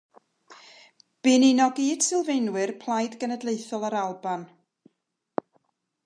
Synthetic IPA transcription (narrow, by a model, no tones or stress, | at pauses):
b̥ɪninɔɡiːd̥sɪlˠvejnwɨrpʰlˠajdɡənədlˠeɨθɔlˠaɾalˠban